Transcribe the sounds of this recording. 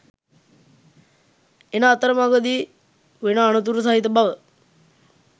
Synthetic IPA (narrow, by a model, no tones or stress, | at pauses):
enaːt̪əɾəmaɡəd̪i | ʋenəːnət̪̬uɾəs̬aɦit̪̬əbaʋə